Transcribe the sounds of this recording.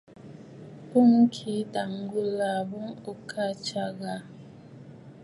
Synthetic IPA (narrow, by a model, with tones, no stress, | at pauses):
bu˦˨ŋ˦kʰi˨˦da˨ŋ˦ɡu˦la˨bu˦ŋo˨kʰa˦˨t͡ʃa˦ɣa˨